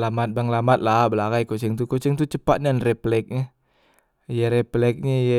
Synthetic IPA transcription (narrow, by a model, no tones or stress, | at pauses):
lamat̪̚baŋlamat̪̚labəlaɡajkot͡ʃɛŋt̪ukot͡ʃɛŋt̪ut͡ʃəpat̪̚nanrɛplɛk̚ɲa | jaɾeplɛk̚ɲeja